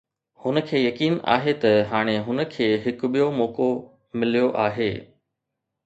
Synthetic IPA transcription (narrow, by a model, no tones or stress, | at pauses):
hʊnə̆kʰeːjɐkiːna̰ːɦet̪ɐɦaːɽ̃eɦʊnə̆kʰeːɦɪkɓijomɔːko | mɪlijoʔaːɦeː